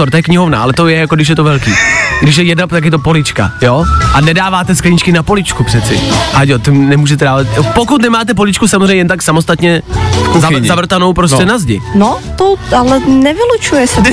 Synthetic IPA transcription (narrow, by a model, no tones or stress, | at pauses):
oɾt̪ojɛkɲɪɦovna̰ʔalɛt̪ojɛjakoɡdɪʃjɛt̪ovɛlkiːɡdɪʃ̬jɛjɛdnapt̪akjɛt̪o̞po̞lɪt͡ʃka̰jo̞ːʔanɛdaːvaːt̪ɛsklɪɲɪt͡ʃkɪnapo̞lɪt͡ʃkupr̝̥ɛt̪t͡sɪʔaɟot̪ɪnɛmuːʒɛt̪ɛdaːvat̪pokut̪̬nɛmaːt̪ɛpo̞lɪt͡ʃkusamozreɛɲɛjɛnt̪aksamost̪at̪ɲɛzazavr̩t̪ano̞wpɾoscɛnazɟɪ̰not̪oalɛnɛvɪlut͡ʃujɛsɛ